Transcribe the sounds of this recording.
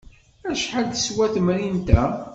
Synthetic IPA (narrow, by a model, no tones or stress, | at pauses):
æʃħald̪ə̥swæθmɾint̪æ